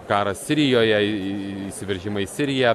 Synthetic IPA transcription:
kɑːɾɐssʲɪɾʲɪjoːjɛisʲɪʋʲɛɾʲʒʲɪmɐisʲɪɾʲɪjɛ

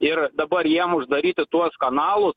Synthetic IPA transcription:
ɪrd̪ɐbɐrjiɛmʊʒd̪ɐɾʲiːt̪ʲɪt̪uɔskɐnɑːlˠʊs

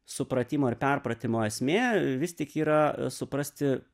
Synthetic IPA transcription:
sʊpɾɐt̪ʲiːmoːɪrpʲɛrpɾɐt̪ʲɪmoːɛsʲmʲeːʋʲɪst̪ʲɪkiːɾɐsʊpɾɐsʲt̪ʲɪ

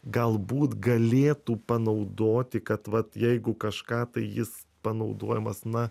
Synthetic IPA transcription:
ɡɐlˠbuːt̪ɡɐlʲeːt̪uːpɐnɐʊd̪oːt̪ʲɪkɐt̪ʋɐt̪jɛɪɡʊkɐʃkɑːt̪ɐɪjɪs | pɐnɐʊd̪oːjɛmɐsnɐ

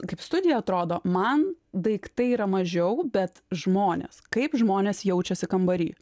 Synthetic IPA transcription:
kɐɪpst̪ʊd̪ʲɪjɛɐt̪ɾoːd̪oːmɐnd̪ɐɪkt̪ɐɪiːɾɐmɐʒʲɛʊbʲɛt̪ʒmoːnʲḛːskɐɪpʒmoːnʲeːsjɛʊt͡ʃʲɛsʲɪkɐmbɐɾʲḭː

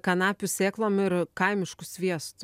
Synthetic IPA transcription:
kɐnɑːpʲʊsʲeːklˠoːmɪɾkɐɪmʲɪʃkʊsʲʋʲiɛst̪ʊ

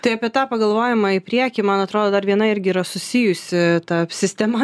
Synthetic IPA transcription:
t̪ɐɪɐpʲiɛt̪ɑːpɐɡɐlˠʋoːjɪmɑːɪpʲɾʲiɛkʲɪmɐnɐt̪ɾoːd̪oːd̪ɐɾʋʲiɛnɐɪɾʲɡʲɪːɾɐsʊsʲɪjʊsʲɪt̪ɑpsʲɪsʲt̪ʲɛmɐ

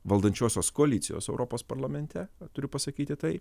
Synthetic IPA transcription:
ʋɐlˠd̪ɐnʲt͡ʃʲoːsʲoːskoːɐlʲiːsʲɪjo̰ːsɛʊɾʔoːpoːspɐɾlˠɐmʲɛnʲt̪ʲɛt̪ʊɾʲʊpɐsɐkʲiːt̪ʲɪt̪ɐɪ

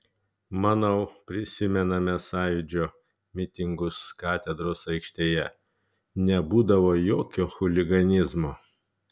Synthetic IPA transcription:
mɑːnɐʊpʲɾʲɪsʲɪmʲɛnɐmʲɛsɑːjʊd͡ʒʲoː | mʲɪt̪ʲɪŋɡʊskɑːt̪ʲɛd̪ɾoːsɐɪkʃʲt̪ʲeːjɛ | nʲɛbuːd̪ɐʋoːjoːkʲoːxʊlʲɪɡɐnʲɪzmoː

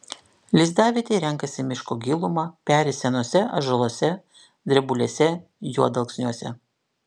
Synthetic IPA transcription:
lʲɪzd̪ɑːʋʲɪt̪ʲeːɾʲɛŋˑkɐsʲɪmʲɪʃkoːɡʲilˠʊmɑpʲæːɾʲɪsʲɛnuɔsʲɛɐ̰ʒɐlˠoːsʲɛ | d̪ʲɾʲɛbʊlʲeːsʲɛ | juɔd̪ɐlˠksʲnʲuɔsʲɛ̰

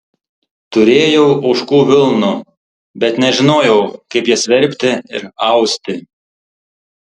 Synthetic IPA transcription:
t̪ʊɾʲeːjɛʊʔɐʊʃkuːʋʲɪlˠnu | bʲɛt̪nʲɛʒʲɪnoːjɛʊkɐɪpjiɛsʲʋʲɛɾʲˑpʲt̪ʲɪɪ̰ɾɐʊsʲt̪ʲɪ

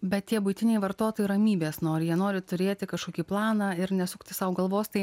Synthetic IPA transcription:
bʲɛt̪̚tʲiɛbʊɪt̪ʲɪnʲɛɪʋɐɾt̪oːt̪oːjɪɾɐmʲiːbʲeːsnoːɾʲjiɛnoːɾʲɪt̪ʊɾʲeːt̪ʲɪkɐʃkoːkʲiːplˠɑːnɑːɪɾnʲɛsʊkt̪ʲɪsɐʋʊɡɐlˠʋoːst̪ɐɪ

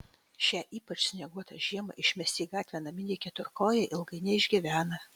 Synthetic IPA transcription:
ʃʲæʔiːpɐt͡ʃsʲnʲɛɡuɔt̪ɐ̰ʒʲiɛmɐ̰ʔɪʃʲmʲɛsʲt̪ʲiːɡɑːt̪ʲʋʲɛnɐmʲɪnʲeːkʲɛt̪ʊɾkoːjɛʔɪlˠɡɐɪnʲɛɪʒʲɡʲɪʋʲæːnɐ

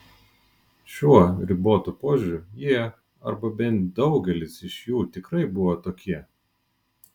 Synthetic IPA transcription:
ʃʲuɔɾʲɪboːt̪upoːʒʲʊɾʲujiɛ | ɐ̰ɾbɐbʲɛnt̪d̪ɒʊɡʲɛlʲɪsɪʃjuːt̪ʲɪkɾɐɪbʊʋoːt̪oːkʲiɛ

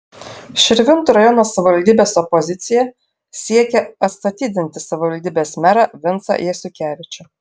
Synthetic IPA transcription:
ʃʲɪɾʲʋʲɪnt̪uɾɐjɔnoːsɐʋʲɪʋɐlʲd̪ʲiːbʲeːsɔpɔzʲɪt̪sʲɪjɛ | sʲiɛkʲɛɐt̪st̪ɐt̪ʲiːd̪ʲɪnʲt̪ʲɪsɐʋʲɪʋɐlʲd̪ʲiːbʲeːsmʲæɾɑʋʲɪnˑt̪sɐ̰jɛsʲʊkʲæːʋʲɪt͡ʃʲʊ

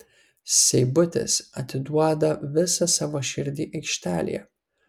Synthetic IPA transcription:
sʲɛɪbʊt̪ʲɪ̰sɐt̪ʲɪd̪uɔd̪ɐʋʲɪsɐsɑːʋoːʃʲɪɾʲd̪ʲiːʔɐɪkʃʲt̪ʲæːlʲḭjɛ̰

